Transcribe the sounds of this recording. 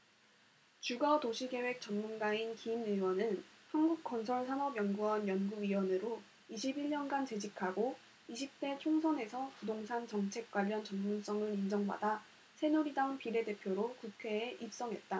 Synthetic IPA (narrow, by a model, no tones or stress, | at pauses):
t͡ɕuɡatoɕʰiɡe̞we̞k̚t͡ɕʌnmunɡainkiːmɯwʌnɯnhanɡuk̚k͈ʌnsʰʌɭsʰamʌbjʌnɡuʌnjʌnɡuɥiwʌnɯɾo | iɕʰibiɭɲʌnɡant͡ɕe̞d͡ʑikʰaɡo | iɕʰip̚t͈e̞t͡ɕʰoŋsʰʌne̞sʰʌpudoŋsʰant͡ɕʌŋt͡ɕʰe̞k̚k͈waʎːʌnt͡ɕʌnmuns͈ʌŋɯɾind͡ʑʌŋba̰da | sʰe̞noɾidaunpiɾe̞de̞pʰjoɾokukʰe̞ːʔip̚s͈ʌŋɦe̞t̚t͈a